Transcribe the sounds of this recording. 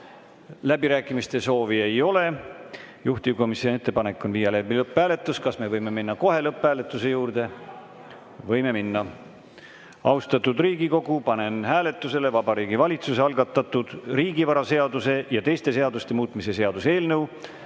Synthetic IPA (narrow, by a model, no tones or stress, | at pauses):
læbiɾæːkːˑimist̪e̞so̞ːvie̞jo̞le̞ | juht̪iko̞misione̞t̪ːˑepɑnekːˑo̞nviːjɑlebilɤpˑːæːle̞t̪ːˑuskɑsme̞vɤjme̞minːɑko̞ɦe̞lɤpːˑhæːle̞t̪ːˑuse̞juːrd̪e̞ | vɤ̞jme̞minːɑ | ɑwst̪ɑt̪ːud̪riːɡiko̞ɡ̥upɑne̞nhæːle̞t̪ˑːuse̞le̞vɑbɑɾiːɡivɑlʲit̪suse̞ɑlɡ̥ɑt̪ːˑɑt̪ːˑud̪̥riːɡivɑɾɑse̞ɑd̪use̞jɑt̪e̞jst̪e̞se̞ɑd̪ust̪e̞muːt̪ˑmise̞se̞ɑd̪use̞ːlnɤw